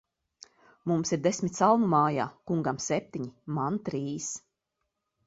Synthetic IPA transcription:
mumsiɾd̪esmʲit̪ʲsalˠnumaːjaːkuŋɡamsʲep̚t̪ʲiɲimant̪ɾiːs

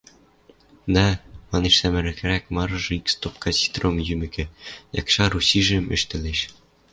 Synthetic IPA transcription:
d̪æmɑneʃsæmɘ̆ɾɘ̆kɘ̆ɾækmɑɾɤ̆ʒɤ̆ikst̪op̚kɑsʲi̥t̪romjymɘ̆kɘ̆jɑ̰kʃɑɾusiʒɘ̆mɘ̰̆ʃt̪ɘ̆leʃ

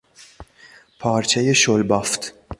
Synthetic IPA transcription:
pʰɑːɾt͡ʃɛjɪʃɔlbɐft̪

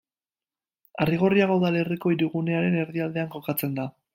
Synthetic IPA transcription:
ariɣ̞o̞riaɣoðaleriko̞iɾuɣune̞aɾe̞ne̞ɾðiald̪e̞aŋko̞kat͡se̞nd̪a

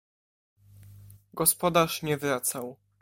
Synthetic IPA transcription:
ɡɔspɔd̪aʂɲɛvɾat̪saw

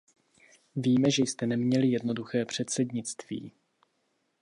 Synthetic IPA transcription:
viːmɛʒɛjst̪ɛnɛmɲɛlɪjɛdno̞duxɛːpr̝̥ɛt̪sɛdɲɪt͡st̪vḭː

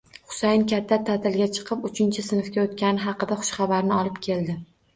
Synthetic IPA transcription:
χʊ̥sajnkʲʰat̪ʰːat̪ʰat̪ʰɪlɡʲat͡ʃʰɨ̥qʰɨpʊt͡ʃʰɪnt͡ʃʰɪsɪnfkʲaot̪kʲanɪɦɑqɨd̪aχʊ̥ʃχɑbaɾnɪɒlˠɪpkʲʰe̞ld̪ɪ

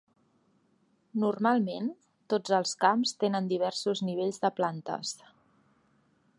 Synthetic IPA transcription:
nurmalˠmen | t̪od͡zəlˠskamst̪enənd̪iβ̞ɛrsuzniβeʎzðəplant̪ə̰s

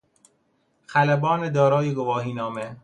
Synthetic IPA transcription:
xælæbɒːned̪ɒːɾɒːjeɡovɒːɦiːnɒːme

